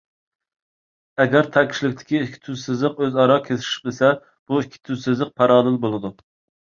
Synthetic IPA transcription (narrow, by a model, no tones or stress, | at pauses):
ɛɡʲæɾt̪ʰɛkʲʰʃilɪkʲt̪ʰɪ̥kʲiːkʲʰːi̥t̪ʰyzsɪzlɪqøzɑɾɑkʲʰesɪ̥ʃɪ̥q̪esɛ | b̥uikʲʰːi̥t̪ʰyzsɪzlɪq̚pʰɑɾɑːnɨlbolˠɨd̪u